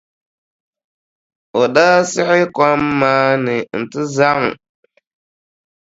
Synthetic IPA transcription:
o˨ɗa˦sɪ˦hɪ˦ka˦mːa˦nɪ˨n̩˨ti˦za˦ŋ˨

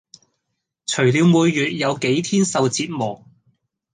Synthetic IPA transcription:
t͡ʃʰɵ˨˩ɥliː˨˧wmuː˨˧jːyː˨t̚jɐ˨˧wke˨˥jt̪ʰiː˥nsɐ˨wt͡siː˧t̚mɔː˨˩k̚

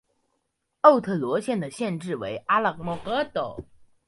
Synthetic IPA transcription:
o˥˧ʊt̪ʰɤ˥˩lwɔ˧˥ɕjɛ˥˩nd̪ə˩ɕjɛ˥˧nʈ͡ʂɻ̩˥˩wḛ˧˥ɪʔa˥lə˨˩kmɔ˧˥˩kɤ˧˥t̪o˨˩˦ʊ

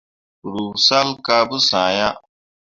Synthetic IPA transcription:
ɾu˨sa˦lka˦bu˦sãː˨ja˦

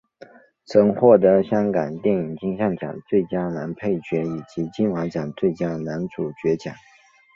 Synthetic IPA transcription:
t͡sʰɤ˧˥ŋxwɔ˥˩t̪ə˧˥ɕjɑ˥ŋka˨˩nt̪jɛ˥˩ŋi˨˩ŋt͡ɕi˥ŋɕjɑ˥˩ŋt͡ɕjɑ̰˨˩ŋt͡swe˥˩ɪt͡ɕja˥na˧˥npʰe˥˩ɪt͡ɕɥɛ˧˥i˨˩t͡ɕi˧˥t͡ɕi˥˩nwa˧˥t͡ɕjɑ˨˩ŋt͡swe˥˩ɪt͡ɕja˥na˧˥nt͡su˨˩t͡ɕɥɛ˧˥t͡ɕjɑ̰˨˩˦ŋ

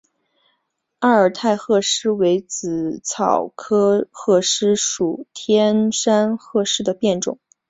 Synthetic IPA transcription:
a˥˩ə˞˨˩t̪ʰa˥˧ɪxɤ˥˩ʂɻ̩˥we˧˥ɪt͡sɹ̩˨˩t͡sʰɑ˨˩ʊkʰɤ˥xɤ˥˧ʂɻ̩˥ʂu˨˩t̪ʰjɛ˥nʂa˥nxɤ˥˧ʂɻ̩˥˩d̪ə˩pjɛ˥˩nʈ͡ʂʊ̰˨˩˦ŋ

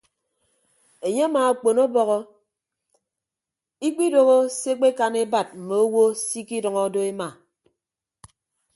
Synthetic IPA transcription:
e˨ɲe˦a˦maː˨a˨k͡po˨no˦bɔ˨ɣɔ˦ | i˦k͡pi˦do˨ɣo˦se˦k͡pe˦ka˨ne˦ba˨t̚m̩˨me˨o˦wo˦si˦ki˦dʌ˨ŋɔ˦do˦e˦ma˨

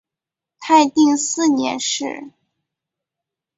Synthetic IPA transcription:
t̪ʰa˥˧ɪt̪i˥˧ŋsɹ̩˥˩njɛ̰˧˥nʂɻ̩˥˩

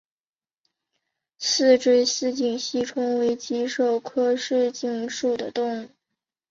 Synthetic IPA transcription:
sɹ̩˥˧ʈ͡ʂɻ̩˥˧ɕɹ̩˥˧t͡ɕi˥˩ŋɕi˥ʈ͡ʂʰʊ˥ŋwe˧˥ɪt͡ɕi˧˥ʂo˨˩ʊkʰɤ˥ʂɻ̩˥˧t͡ɕi˥˩ŋʂu˥˩d̪ə˩t̪ʊ˥˧ŋu˥˩

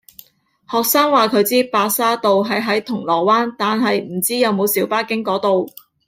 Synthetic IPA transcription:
hɔː˨k̚saː˥ŋwaː˨˩kʰɵ˨˧ɥt͡siː˥paː˧saː˥t̪o˨wɦɐ˨˩jɦɐ˨˥jt̪ʰʊ˨˩ŋlɔː˨˩waː˥nt̪aː˨nɦɐ˨jm̩˨˩t͡siː˥jɐ˨˧wmo˨˧wsiː˨˥wpaː˥kɪ˥ŋkɔː˨˥t̪o˨w

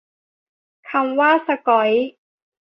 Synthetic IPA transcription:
kʰa˧mwaː˥˩sa˧kɔ˨˦j

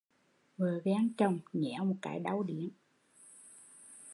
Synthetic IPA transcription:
vəː˨˩vaː˧˦ŋt͡ɕə˨˩wŋ͡mɲɛ̰˧˩˥mo˨˩t̚kaː˧˦jɗa˧˦wɗi˧˦ən

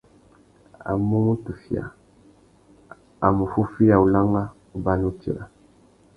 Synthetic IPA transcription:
a̰˨mu˦mu˦tu˨fi˨a̰˨ | a̰˨mu˨fu˦fi˦ja˨u˨la˦ŋɡa˦ | u˦ba˦nu˦tḭ˨ɾa˨

